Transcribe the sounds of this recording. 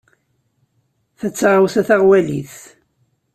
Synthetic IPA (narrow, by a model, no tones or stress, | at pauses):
θæt͡sːaʁəwθæθaʁwælḭθ